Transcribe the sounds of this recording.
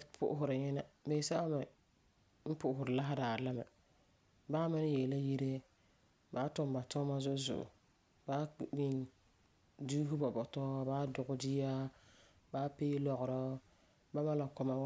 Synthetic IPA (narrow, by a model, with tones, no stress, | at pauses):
pʊ̰˦ʔʊ˦ɦʊ˨ɾɪ˨ɲɛ˦na˦beː˨˦sa˦a˦ma˨ | m̩˦pʊ˦ʔʊ˨ɦʊ˨ɾɨ˨la˦ɦa˦daː˨la˦ma̰˨ | baː˦mɪ˦n˦jɛ˨la˦ji˦ɾe˦ | baː˨˦tɔ˦m˨ba˨tɔ˦ma˦zʊ˦zʊ̰˨ʔʊ̰˨ | baː˦i˦n | du˦ɦu˦bɔ˨bɔ˨tɔː˦baː˦dʊ˨ɣʊ˦dɪ˦a˦ | baː˨˦pe˦i˦lɔ˨ɣʊ˨ɾɔ˦ | ba˦ma˦la˨kɔ˦ma˦wa˦